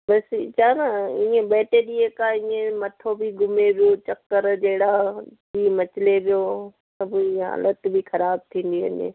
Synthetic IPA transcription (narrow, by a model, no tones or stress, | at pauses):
bɐst͡ʃʰaːnaĩːẽbɛːʈeɗiːekaːĩːẽmɐt̪ʰobʱiɡʊmeʋjot͡ʃɐkːəɾd͡ʒeːɽabimɐt͡ʃɪleʋijo | sɐbiɦa̰ːlət̪bʱixʰɐɾaːb̚t̪ʰĩːn̆d̪iɦɐ̰ɲḛ